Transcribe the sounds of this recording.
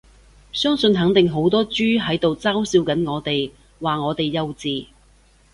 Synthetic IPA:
sœː˥ŋsɵ˧nɦɐ˨˥ŋt̪ɪ˨ŋɦo˨˥wt̪ɔː˥t͡ʃyː˥ɦɐ˨˥jt̪o˨wt͡saː˥wsiː˧wkɐ˨˥nŋɔː˨˧t̪e˨j | waː˨ŋɔː˨˧t̪e˨jːɐ˧wt͡siː˨

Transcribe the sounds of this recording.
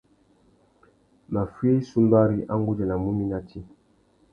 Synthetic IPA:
ma˨fwe˦su˦mba˦ɾi˦ʔa˦ŋɡu˦d͡ʒɛ˨na˨mu˦mi˦na˦tʰi˦

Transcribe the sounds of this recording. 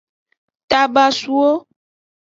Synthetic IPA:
t̪a˨ba˨su˦wo˦

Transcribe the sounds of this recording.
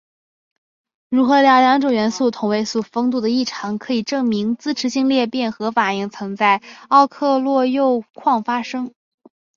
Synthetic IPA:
ɻu˧˥xɤ˧˥ljɑ˧˥ʊljɑ˧˥ŋʈ͡ʂo˨˩ɥɛ˧˥nsu˥˩t̪ʰʊ˨˩ŋwe˧˥ɪsu˨˩fɤ˥ŋt̪̬u˥˩d̪ə˩i˥˩ʈ͡ʂʰɑ˧˥ŋkʰɤ˧˥i˨˩ʈ͡ʂɤ˥˩ŋmi˧˥ŋt͡sɹ̩˥ʈ͡ʂʰɻ̩˧˥ɕi˥˧ŋljɛ˥˧pjɛ˥˩nxɤ˧˥fa˨˩i˥˩ŋt͡sʰɤ˧˥ŋt͡sa˥˩ɪɑ˥˧ʊkʰɤ˥˧lwɔ˥˧jo˥˧ʊkʰwɑ˥˩ŋfa˥ʂɤ˥ŋ

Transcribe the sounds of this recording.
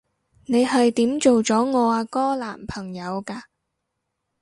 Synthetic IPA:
ne˨˧jhɐ˨jt̪iː˨˥mt͡ʃo˨wt͡sɔː˨˥ŋɔː˨˧aː˧kɔː˥laː˨˩mpʰɐ˨˩ŋjɐ˨˧wkaː˧

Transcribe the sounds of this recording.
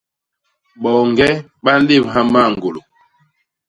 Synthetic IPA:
ɓɔ˨ŋ˨ɡɛ˦ | ɓa˦n̩˦de˦˨mɦa˦ma˦˨ŋ˨ɡo˨lo˨

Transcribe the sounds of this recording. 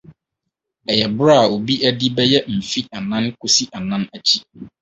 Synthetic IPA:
ɛ˨jɛ˨bʊ˦ɾa˦a˨o˨bi˦ʔæ˦di˦bɛ˦jɛ˦m̩˨fi˦a˨nã˦nkʰʊ˦si˦ʔa˨nã˦næ˨t͡ɕʰi˦

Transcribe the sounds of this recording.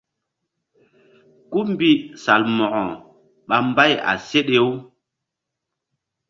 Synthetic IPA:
ku˦mbi˦sa˨lmɔ˨ʔɔ˨ | ɓa˦m˦ba˦˨ja̰˨se˦ɗe˦wu˦

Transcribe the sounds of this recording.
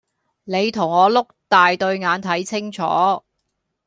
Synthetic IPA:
ne˨˧jt̪ʰʊ˨˩ŋɔː˨˧lʊ˥k̚t̪aː˨jt̪ɵ˧ɥŋaː˨˧nt̪ʰɐ˨˥jt͡sʰɪ˥ŋt͡sʰɔ̰ː˨˥

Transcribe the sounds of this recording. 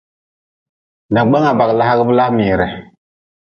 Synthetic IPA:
na˨ɡ͡ba˦ŋa˨ba˨kla˦ha˦ɡə˦bə˦la˦mi˨ɾɛ˨

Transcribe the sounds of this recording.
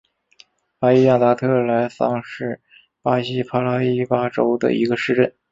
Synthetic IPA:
pa˥i˥ja˥˩t̪a˧˥t̪ʰɤ˥˩la˧˥ɪsɑ˥ŋʂɻ̩˥˩ | pa˥ɕi˥pʰa˥la˥i˥˩pa˥ʈ͡ʂo˥ʊd̪ə̰˨ḭ˧˥ɡə˧ʂɻ̩˥˧ʈ͡ʂə˥˩n

